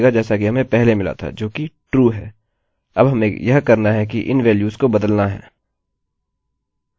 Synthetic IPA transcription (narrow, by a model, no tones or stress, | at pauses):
ɡad͡ʒɛːsakiɦɐmẽpɛɦlemɪla̰t̪ʰa̰d͡ʒoːkiʈɾuːɦɛː | ɐbɦɐmẽjɐɦkɐɾnaɦɛkiʔɪ̰nʋɛːljuːzkobɐd̪əlnaɦɛ̰ː